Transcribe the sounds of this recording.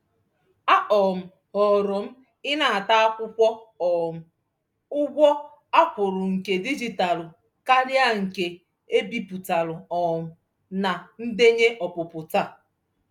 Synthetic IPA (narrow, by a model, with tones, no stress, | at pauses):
a˦ʔɔ˨m̩˨ | hɔ˨ɾʊ˨m̩˦ | ɪ˦na˨a˨ta˦a˦kʷʊ˦kʷɔ˦ɔ˨m̩˨ | ʊ˦ɡʷɔ˦ | a˦pʊ˨ɾʊ˨ŋ̩˨ke˨di˦d͡ʒi˨ta˨lʊ˨ | ka˦ɾja˦ŋ̩˨ke˨ | e˦bi˨pu˨ta˨lʊ˨ɔ˨mʊ˨ | na˨n̩˦de˦ɲe˦ʔɔ˨pʊ˨pʊ˨ta˦˨